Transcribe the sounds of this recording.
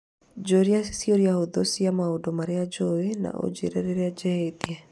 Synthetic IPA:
d͡ʒoɾiasi̥sioɾiahoðosiamaodomaɾead͡ʒoena̰ʔo̰d͡ʒḛɾɛɾeɾead͡ʒɛetiɛ

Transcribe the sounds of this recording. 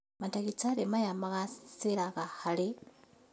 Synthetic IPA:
matakit͡salemajamakasilakahali

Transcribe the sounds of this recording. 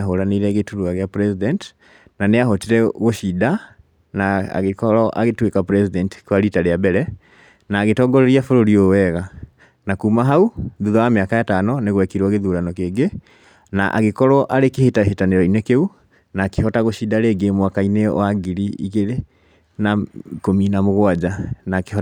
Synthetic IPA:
ɦoɾaniɾɛɣetuɾuaɣeapɾɛsidɛnti̥ | naneaɦɔtiɾɛɣoʃida | na̰ɣekɔɾɔʔa̰ɣetwekapɾɛsidɛnti̥kwaɾitaɾeabɛɾɛ | naːɣetɔːɡɔɾeɾiafoɾoɾiowɛɣa | nakuːmaɦauðuðɔameakajatanɔneɣwɛkiɾwaɣeðuɾanɔkeːɡe | na̰ʔa̰ɣekɔɾɔʔaɾekehetaɦetaneɾɔinɛkeu | naːkehɔtaɣoʃidaɾeːɡemwakaineɔ̰aɡiɾiḭɣeɾe | nakominamoɣwad͡ʒanakeɔ

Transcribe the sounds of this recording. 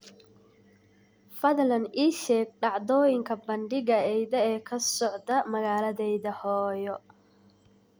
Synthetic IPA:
fɐðlɐniːʃɛːɡ̚ɖɑʕd̪ɔːjɪŋkʰɐbɐɳɖɪɣɐɛjðɐɛːkʰɐsɔʕd̪ɐmɐɣaːlɐðɛjðɐhɔːjɔ

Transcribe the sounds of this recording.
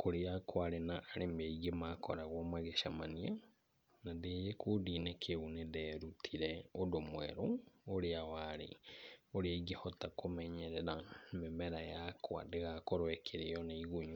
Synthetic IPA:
kʰoɾeakʰwaɾenaʔːɾemaiɣemakɔ̰ɾaɣwɔmaɣeʃamania | naðeːjekʰoːdinekʰeuneðɛːɾutʰiɾɛodomwɛ̰ɾoːɾeawaɾḛoɾeaiɡehɔtakomɛɲɛɾɛɾamemɛɾajakʰwa̰deɣakoɾwɛkʰeɾeɔneiɣuɲu

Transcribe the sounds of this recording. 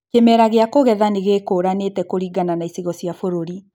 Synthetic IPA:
kemɛɾaɣeakoɣɛðaneɣekoɾanetɛkoɾiɡananaisiɣɔsiafoɾoɾi

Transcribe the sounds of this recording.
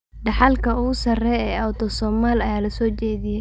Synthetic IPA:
ɖɑħɑlkʰɐʊɣʊsɐrɛjɛːawt̪ʰɔsɔːmaːlɐjaːlɐsɔːt͡ʃɛːðɪjɛj

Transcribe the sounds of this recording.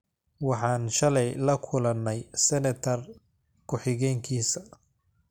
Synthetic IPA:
wɑħɑːnʃɐlɛjlɐkʰʊlɐnːɛjsɛnɐt̪ʰɐr | kʰʊħɪɣɛːŋkʰiːsɐ

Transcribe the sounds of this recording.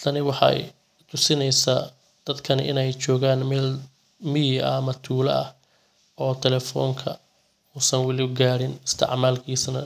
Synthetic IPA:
t̪ʰɐnɪwɑħɑ̰j | t̪ʰʊsɪnɛjsaː | d̪̥ɐd̪kʰɐnɪ̰nɛjt͡ʃɔːɣaːnmɛːl | mɪjɪɐ̰mɐt̪ʰuːlɐ̰ɐh | ʔɔːt̪ʰɛlɛfɔ̰ːŋkʰɐ̰ | uːsɐnwɑlɪʊɡaːɾɪnɪst̪ʰɪ̰ʕmaːlkʰiːsnɐ

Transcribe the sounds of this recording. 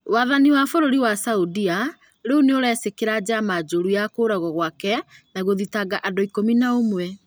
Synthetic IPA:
waðaniwafoɾoɾiwasaudia | ɾeuneoɾɛsekeɾad͡ʑamad͡ʒoɾujakoɾaɣɔɣwakɛnaɣoðitaɡaʔadoikominaomwɛ

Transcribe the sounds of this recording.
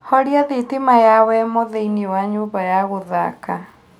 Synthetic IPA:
hɔɾiaðetemajawɛmoðeiniwaɲoːmbajaɣoða̰ka

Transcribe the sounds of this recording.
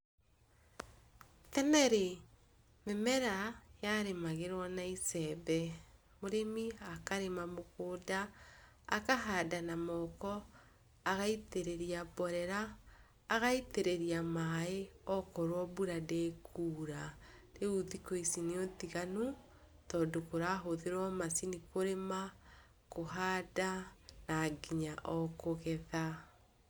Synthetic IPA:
tɛnɛɾe | memɛɾajaɾemaɣeɾwɔnaisɛbɛ | moɾemiakaɾemamokoːdaː | kaɦadanamɔkɔ | aɣaiteɾeɾiabɔɾɛɾaː | ɣaiteɾeɾiamaeɔkɔɾwɔbuɾadekʰuːɾaɾeuðikoisineotiɣanu | tɔːndokoɾaɦoðeɾwɔmasinikoɾema | koɦaːdanaɡiɲaʔɔkoɣɛða

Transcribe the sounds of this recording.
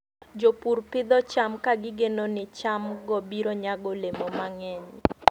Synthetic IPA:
d͡ʒopuɾpɪd̪ɔt͡ʃamkaɡɪɡenonɪt͡ʃamɡɔbiɾoɲaɡolemomaŋɛɲ

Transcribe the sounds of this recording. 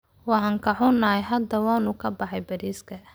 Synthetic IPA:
wɑħɑːŋkʰɐħʊnːɐːjɦɐd̪ɐwɑːnʊkʰɐbɑħɑjbɐɾiːskʰɐ

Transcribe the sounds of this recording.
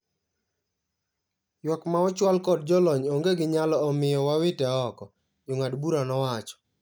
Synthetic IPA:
jwɔkmaɔt͡ʃwalkɔd̚d͡ʒɔlɔɲoŋɡeɡɪɲalɔɔmɪjɔwawɪtɛɔkɔ | d͡ʒoŋadbuɾanɔwat͡ʃɔ̥

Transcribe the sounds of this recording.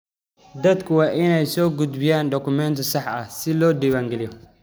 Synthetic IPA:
d̪ɐd̪kʰʊwɑːʔɪnɛjsɔːɡʊd̪bɪjaːnɖɔkʰʊmɛnt̪ʰɔsɑħɐhsɪlɔːɖiβaːŋɡɛlɪjɔ

